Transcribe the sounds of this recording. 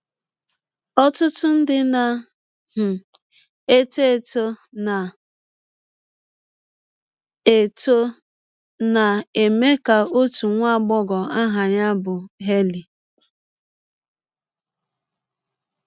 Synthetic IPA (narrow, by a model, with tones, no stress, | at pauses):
ɔ˦tʊ˦tʊ˦n̩˦dɪ˦na˨ | h̩˨ | e˦te˦e˨to˦na˨ | e˨to˦ | na˨e˨me˦ka˨o˦tu˨ŋʷa˦˨ɡ͡bɔ˦ɡɔ˨a˦ɦa˨ɲa˦bʊ˨ɦe˦li˨